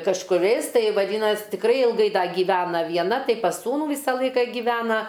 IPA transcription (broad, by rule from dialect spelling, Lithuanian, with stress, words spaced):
kɐʃkʊˈrʲɛɪs ˈtɐɪ ʋɐˈdʲiːnɐsʲ tʲɪkˈrɐɪ ɪlˠˈɡɐɪ ˈdɐ ɡʲiːˈʋʲæːnɐ ʋʲiɛˈnɐ ˈtɐɪ pɐs ˈsuːnuː ˈʋʲiːsɐ ˈlˠɐɪkɐ ɡʲɪˈʋʲæːnɐ